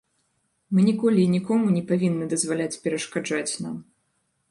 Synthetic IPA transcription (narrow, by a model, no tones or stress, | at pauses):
mɨnʲikɔlʲiːnʲikɔmunʲɛpavʲinːɨd̪ɐzvalʲat͡sʲpʲɛɾɐʂkad͡ʐat͡sʲna̰m